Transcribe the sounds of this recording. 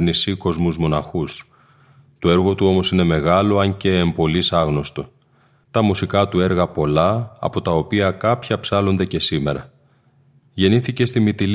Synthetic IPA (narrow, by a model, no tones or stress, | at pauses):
nisiko̞zmuzmo̞nɐxus | t̪o̞e̞ɾɣo̞t̪uo̞mo̞sine̞me̞ɣɐlo̞ɐɲce̞ːmbo̞lisɐɣno̞st̪o | t̪ɐmusikɐt̪ue̞ɾɣɐpo̞lɐɐ̰po̞t̪ɐo̞piɐkɐpçɐpsɐlo̞nd̪e̞ce̞sime̞̰ɾɐ̰ | ʝe̞niθice̞st̪imit̪il